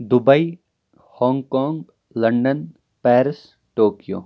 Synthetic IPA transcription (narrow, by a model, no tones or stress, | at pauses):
d̪ʊbəi | hɔ̃ːŋɡkɔːŋɡ | lɐ̃ɳɖən | pɛːɾɪs | ʈoːkijo̰ː